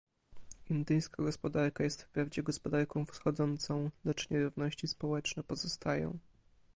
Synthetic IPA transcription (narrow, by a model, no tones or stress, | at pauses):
ind̪ɘjskaɡɔspɔd̪aɾkajɛst̪fpɾavd͡ʑɛɡɔspɔd̪aɾkɔ̃w̃fsxɔd̪zɔnt̪sɔ̃w̃lɛt͡ʂɲɛɾuvnɔɕt͡ɕispɔwɛt͡ʂnɛpɔzɔst̪ajɔ̰̃w̃